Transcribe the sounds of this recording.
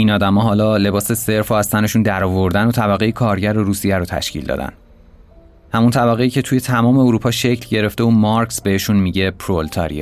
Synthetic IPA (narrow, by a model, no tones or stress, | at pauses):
ʔiːnɒːd̪æmɒːɦɒːlɒːle̞bɒːse̞se̞ɾfohæst̪æne̞ʃund̪æɾɒːvo̞ɾd̪ænot̪ʰæbæɣe̞jekʰɒːɾɟæɾoɾuːsijæɾot̪ʰæ̰ʃcʰḭld̪ɒ̰ːd̪æ̰n | hæmunt̪ʰæbæɣeiːcʰe̞t̪ʰuːje̞t̪ʰæmɒːme̞oɾuːpʰɒːʃecʰlɟe̞ɾe̞ft̪euːmɒɾksbe̞heʃunmiɟe̞pʰɾolt̪ʰɒɾḭj̰